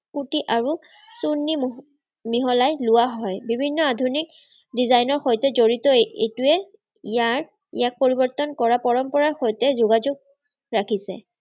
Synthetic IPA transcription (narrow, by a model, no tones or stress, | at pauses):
kutiʔaɹu | sunːi | miɦɔlajlʊwaɦɔjbibʱinːɔadʱunik̚ | dizajnɔɹxojtɛzoɹitɔḛtuɛ | ijaɹ | ḭjak̚poɹibɔɹt̪ɔnkɔɹapɔɹɔmpɔɹaɹxojtɛzoɡad͡ʒoɡ̚ | ɹakʰisɛ̰